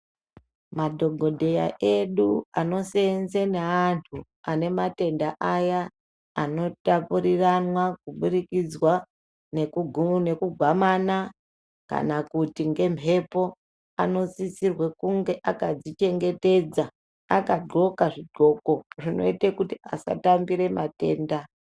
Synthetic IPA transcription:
madʱo̞ɡʱo̞dʱe̞ja̰ʔe̞ɗuano̞senzeneantʰu | ane̞mate̞ndaʔajaː | no̞tapuriranwakuɓurikid͡zwa | nekne̞kuɡʱwamana | ka̰nakutiŋɡe̞mpʰe̞po̞ | a̰no̞sisirwe̞kuŋɡe̞ʔakad͡zit͡ʃe̞ŋɡe̞te̞d͡za | akaɡo̞kaʐiɡo̞ko̞ʐino̞̰itekutiasa̰tambiɾe̞mate̞ːnda

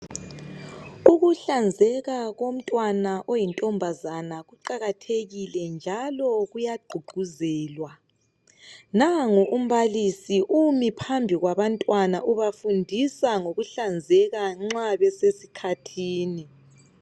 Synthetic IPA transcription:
uɣuɬand͡zʱɛɣaɣom̩tʼwanaʔojintʼɔmbʱazanaɣuǃaɣatʰeɣilɛnd͡ʒʱalɔɣujaɡ͡ǃʱuɡʱuzɛːlwa | naŋuʔum̩βalisiʔumipʰambʱiɣwaβantʼwanaʔuβafundʱisaŋoɣuɬand͡zʱɛɣaŋ͡ǁaβɛsesi̥kʰatʰiːni

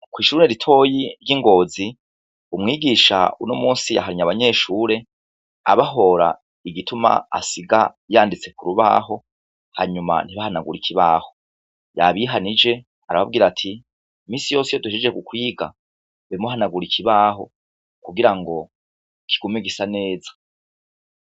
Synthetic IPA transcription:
kwiːʃuneɾitʰo̞ːjiɾjiŋɡo̞ːzi | umŋiːɡiʃa̰ṵnomuːnsija̰ɦaɾiɲaβaɲe̞ːʃuːɾe̞ | a̰βaɦo̞ɾa̰ | iɡituma̰a̰siɡa | jaːndit͡se̞kuɾuβa̰ːɦo̞ | haɲuma̰n̥iβahanaɡuɾikʰiβa̰ːho̞ | ja̰βiːɦanid͡ʒe̞ | aɾaβab̚ɡiːɾatʰiː | miːsijo̞ːsijoduʃid͡ʒekukwiːɡa | emuɦanaɡuɾikʰiβaːɦo̞ | kuɡiɾaŋɡo̞ | kʰi̥ɡ̥omiɡisane̞ːzḁ

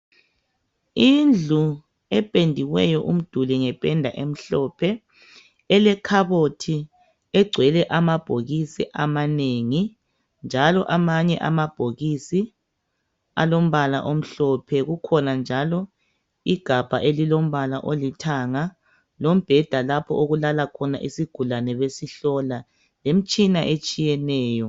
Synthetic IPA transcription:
ind͡ɮʱu | ɛpʼendʱiɣwɛjɔʔum̩d̥ʱulɛŋɛpʼɛndʱa̰ʔem̩ɬɔpʰɛ | ɛlɛkʰaβotʰi | ɛɡ͡ǀʱwɛlɛʔamab̥ʱoɣisiʔamaneŋi | nd͡ʒʱalɔʔamaɲɛ̰ʔamab̥ʱoɣisi | a̰lom̩βala̰ʔom̩ɬɔpʰɛɣukʰɔnand͡ʒʱalɔ | iɡ̥ʱab̥ʱa̰ʔelilom̩βalaʔolitʰaŋa | lom̩b̥ʱɛd̥ʱalapʰɔ̰ʔoɣulalakʰɔna̰ʔisiɡ̥ʱulanɛβesiɬɔla | lem̩t͡ʃʼinaʔet͡ʃʼijɛnɛːjɔ

